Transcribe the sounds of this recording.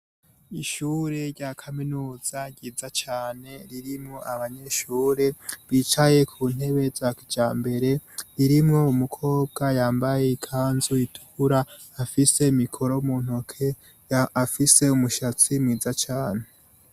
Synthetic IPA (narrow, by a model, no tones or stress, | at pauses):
iʃuːɾe̞ɾɟakʰaminuːz̥aɟiːzat͡ʃaːne̞ɾiɾimŋo̞ʔaβaɲe̞ʃuːɾe̞βit͡ʃaje̞kʰuːn̥he̞βe̞zakd͡ʒaːmbe̞ɾe̞ɾiɾimŋo̞umukʰo̞ːb̚ɡajaːmbaje̞ikʰaːnzuitʰu̥ɾaː | fise̞mikʰo̞ɾo̞muːn̥o̞kʰe | afise̞umuʃat͡simŋiːzat͡ʃaːne